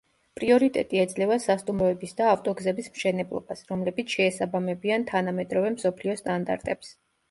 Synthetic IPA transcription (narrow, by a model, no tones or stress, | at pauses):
pʼɾiɔɾit̪ʼɛ̰t̪ʼiɛd̪zlɛvasast̪ʼumɾɔɛbisd̪aːft̪ʼɔɡzɛbismʃɛnɛblˠɔ̰basɾɔmlɛbit̪sʰʃɛːsabamɛbiant̪ʰanamɛd̪ɾɔvɛmsɔpʰliɔst̪ʼand̪a̰ɾt̪ʼɛps